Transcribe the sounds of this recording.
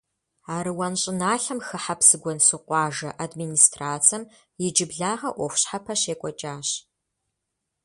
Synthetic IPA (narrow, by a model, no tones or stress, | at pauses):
aːɾɨwɐnɕʼɪnaːɬɐmxɨħapsɨɡʷɔnsɨqʷɑːʒɐʔadmiːnistʰraːt͡sʰɐm | jɪd͡ʒɪbɮaːʁɐʔʷɔxʷɕħapʰɐɕeːkʷʼɔt͡ʃʼaːɕ